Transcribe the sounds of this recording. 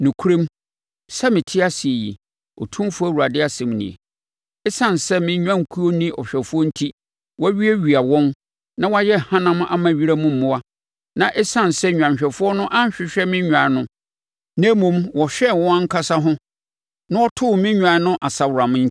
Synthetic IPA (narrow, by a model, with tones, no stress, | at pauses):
nũ˨kʰu˦ɾĩ˦m | sɛ˦mɪ̃˨tʰɪ˦a˦si˨e˨jḭ˨ | ɔ̰˨tʰũ˦m˦fʊ˦æ˦˨wa˨dɪ˦a˦˨sɛ̃˨mnḭ̃˨ḛ˨ | ɛ˦sã˦˨n˨sɛ˦mɪ̃˦ɲᶣ˦ã˦ŋ˨kʰu˦o˦nĩ˦ɔ˨ɕᶣɛ˨fʊ˦ɔ˦n̩˦tʰi˦ | wɔ˦ɥi˦ɛ˦ɥi˨a˨wɔ̃˦m | nã˦wa˦jɛ˦˨hã˦nã˦m˦a̰˦mã˨ɥi˦ɾa˦mʊ̃˦m̩ː˦ʊ̃˦wa˦ | nã˨ʔɛ˦sã˦n˨sɛ˦ɲᶣ˨ã˨ɕᶣɛ˨fʊ˦ɔ˦nʊ̃˦ʔã˦ɲ˦ɕᶣɪ˨ɕᶣɛ˦mɪ̃˦ɲᶣ˨ã˨˦nʊ̃˦ | ñ˦mũ˨mwɔ˨ɕᶣɛ˦˨wɔ̃˦ã˦ŋ̩˦kʰa˦sa˦ɦʊ̃˦ | nã˦ɔ˦tʰʊ˦˨mɪ̃˦ɲᶣ˨ã˨˦nʊ̃˦ʔa˨sa˨wʊ˨ɾa˨m̃˦n̩˦